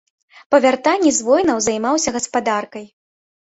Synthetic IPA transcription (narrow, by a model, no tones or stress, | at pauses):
pɐvʲart̪anʲːizvɔjnɐwzajmawsʲɐɣɐspad̪arkɐj